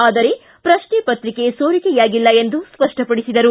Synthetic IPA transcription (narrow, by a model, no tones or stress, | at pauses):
aːd̪ɐɾe̞ | pɾɐʂɳɛːpɐt̪ɾike̞soːɾikɛjaːɡilːɐe̞nd̪uspɐʂʈʰɐpɐɽisid̪ɐɾu